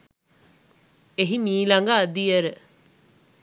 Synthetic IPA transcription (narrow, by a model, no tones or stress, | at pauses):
eɦimiːlɐŋɡaːd̪ieɾə